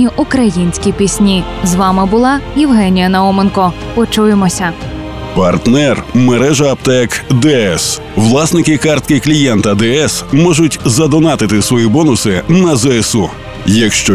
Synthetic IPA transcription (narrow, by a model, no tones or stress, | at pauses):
iʔʊkɾɐjinʲsʲkʲipʲisʲnʲi | zʋɑmɪbʊlˠɑjiwɦɛnʲijɐnɐɔmenkɔ | pɔt͡ʃujemɔsʲɐ | pɐrt̪nɛrmeɾɛʒɐːpt̪ɛkd̪ɛɛs | ʋlˠɑsnɪkɪkɑrt̪̚kɪklʲijɛnt̪ɐd̪ɛɛsmɔʒʊtʲzɐd̪ɔnɑt̪ɪt̪ɪsʋɔjibɔnʊsɪnɐzɛɛsu | jɐkʃt͡ʃɔ